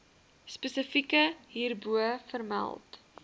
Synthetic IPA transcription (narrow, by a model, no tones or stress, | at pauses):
spəsəfikəɦiːrbuəfərmæ̰lˠt